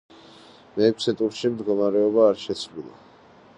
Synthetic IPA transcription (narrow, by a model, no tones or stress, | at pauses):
mɛːkʰsɛt̪ʼuɾʃimd̪ɡɔmaɾɛɔbaːɾʃɛt̪sʰvlilˠa̰